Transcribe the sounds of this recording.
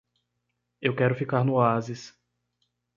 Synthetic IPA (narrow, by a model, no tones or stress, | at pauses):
ewkɛɾʊfikaɾnʊazɪs